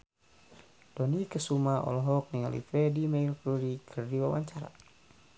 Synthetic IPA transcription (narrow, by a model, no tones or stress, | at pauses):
d̥ɔnikəsumaɔ̰lɔɦɔk̚niŋa̰lḭfɛdimailkuɾikʰərdiwawa̰ɲt͡ʃaɾa̰